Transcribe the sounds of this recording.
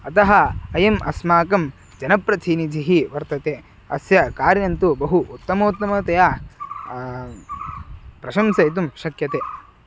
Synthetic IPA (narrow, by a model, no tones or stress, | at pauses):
ɐt̪ɐɦɐ̆ɐjɐmʔɐsmaːkɐm | d͡ʒɐnɐpɾɐt̪ʰiːnid͡ʒʱiɦiʋɐɾt̪ɐt̪eː | ɐsjɐkaːɾjɐnt̪ubɐɦuʔːt̪ːɐmoːt̪ːɐmɐt̪ɐjaː | pɾɐʃɐmsɐjt̪̬umʃɐkjɐt̪eː